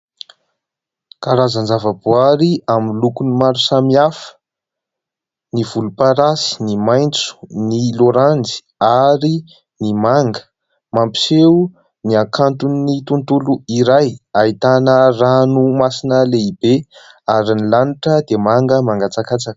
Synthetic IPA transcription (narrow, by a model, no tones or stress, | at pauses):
kaɾazand͡zavəbuaɾiaminlukunimaɾusamiafə̥ | nivulupaɾasi̥nimajnt͡su̥niloɾand͡zi̥ | aɾi | nimaŋɡə̥ | mampi̥se | niakant̪unːit̪unt̪uluiɾajait̪anəranumasinəleibe | aɾinilaniʈ͡ʂəd̪emaŋɡəmaŋɡat͡sakat͡sak